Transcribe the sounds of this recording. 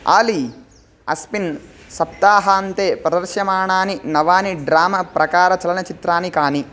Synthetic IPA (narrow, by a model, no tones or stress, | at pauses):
a̰ːli | ɐ̰spin | sɐp̚t̪aːɦɐɐnt̪eːpɾɐd̪ɐɾʂjɐmaːɳaːninɐʋaːniɖɾaːmɐpɾɐkaːɾɐt͡ʃɐlɐnɐt͡ʃit̪ɾaːnikaːni